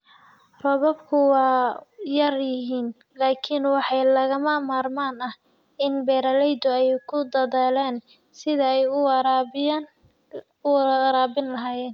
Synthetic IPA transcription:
rɔβɔbkʰʊwɑːjɐrjɪɦiːn | laːkʰɪnwɑħɑjlɐɣɐmɐmaːrmaːnɐh | ɪnbɛːɾɐlɛjd̪ʊɛjjkʰʊd̪ɐðɛːlɛːn | sɪðɐɛj | ɾaːbɪnlɐɦaːjɛːn

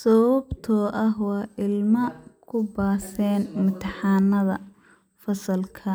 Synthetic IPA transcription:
sɔwɐbt̪ʰɔːʔɐɦwɑːʔɪlmɐkʰʊbaːsɛːnmʊt̪ʰɐħɑːnɐðɐ | fɐsɐlkʰɐ

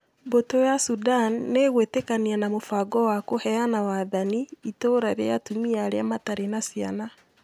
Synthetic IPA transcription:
botojasudanːeɣwetekanianamofaɡɔwakohɛjanawaðaniitoɾaɾejatumiaɾeamataɾenasiana

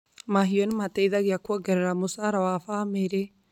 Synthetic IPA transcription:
maɦijɔnmat̪ɛjðaɡjakɔɡɛɾɾamʊsaɾawafameɾɛ

